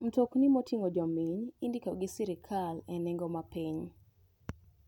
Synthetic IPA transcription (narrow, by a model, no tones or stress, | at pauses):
m̩toknimotʰiŋod͡ʒɔmiɲindikɔɡɪsiɾɪkʰalɛnɛŋɡɔmapiɲ